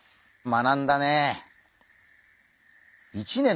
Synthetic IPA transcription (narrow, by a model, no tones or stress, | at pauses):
manãnd̪ane | it͡ɕinẽ̞